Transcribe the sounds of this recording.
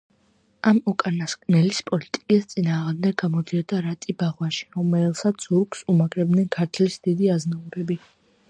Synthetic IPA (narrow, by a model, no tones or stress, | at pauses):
amɔkʼanaskʼnɛlispʼɔlit̪ʼi̥kʼist̪sʼinaːʁmd̪ɛɡɡamɔd̪iɔd̪aɾat̪ʼibaʁwaʃi̥ɾɔmɛlˠsat̪suɾksumakʼɾɛb̪̚nɛnkʰaɾt̪ʰlisd̪̥id̪iaznauɾɛbi